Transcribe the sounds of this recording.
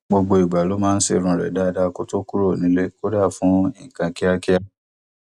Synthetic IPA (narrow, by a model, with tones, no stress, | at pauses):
ɡ͡bo˧ɡ͡bo˧i˨ɡ͡ba˨lo˨˦mãː˦˧n̩˦sḭ˦˨ɾ̃ũ˨˧ɾɛ̰˨da˦˧da˧ko˦to˦ku˦ɾo˦˨nĩ˨˦le˦ko˦da˦˨fũ˨˦ĩ˦˨kã˧ki˦a˧ki˦a˦